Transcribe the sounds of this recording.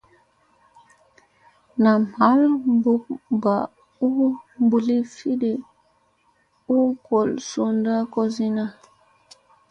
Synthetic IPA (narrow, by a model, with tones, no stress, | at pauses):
na˨m̥a˦lbu˦k̚ba˨ | u˦mbu˨li˦fi˦de˨ | u˦kɔ˨lso˨nda˦kɔ˦zi˦na˦